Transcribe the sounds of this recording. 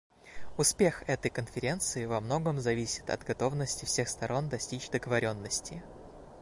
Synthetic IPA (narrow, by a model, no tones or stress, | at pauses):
ʊspʲe̞xɛt̪əjkənfʲɪɾʲe̞nt̪sɨɪvɐmno̞ɡəmzɐvʲisʲɪ̥t̪ɐ̰d̪ɡɐt̪o̞vnəsʲtʲɪfsʲe̞xst̪ɐɾo̞nd̪ɐsʲtʲit͡ɕd̪əɡəvɐɾʲo̞nːəsʲtʲɪ